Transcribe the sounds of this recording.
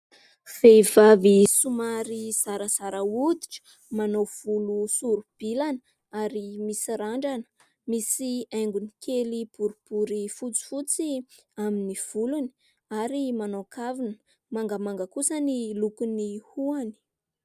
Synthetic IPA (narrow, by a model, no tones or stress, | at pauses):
v̥evavisumaɾiz̥aɾəz̥aɾəud̪iʈ͡ʂə̥ | manov̥ulusuɾub̥ilan | aɾimisiɾaɳɖ͡ʐanə̥ | misiajŋɡunikʰelipuɾupuɾifut͡si̥fut͡si | aminiv̥uluni̥ | aɾimanokavinə | maŋɡəmaŋɡəkusənilukunihuani̥